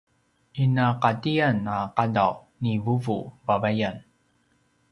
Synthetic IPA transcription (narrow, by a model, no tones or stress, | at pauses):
inaqatianaqadaw | nivuvṵvavajan